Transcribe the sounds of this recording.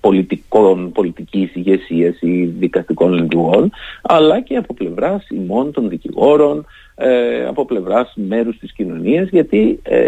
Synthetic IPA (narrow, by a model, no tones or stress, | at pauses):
po̞lit̪ikonpo̞lit̪icisiʝe̞siɐsiðikɐst̪iko̞nlind̪uɣo̞nɐlɐce̞ɐpo̞ple̞vɾɐsimo̞nt̪o̞nðiciɣo̞ɾo̞n | eɐ̰po̞ple̞vɾɐsme̞ɾust̪iscino̞niɐzʝɐt̪iḛ